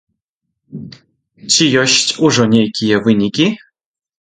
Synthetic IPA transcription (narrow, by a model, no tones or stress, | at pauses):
t͡ɕijoɕtʲuʐonʲejkʲijevɨnʲikʲi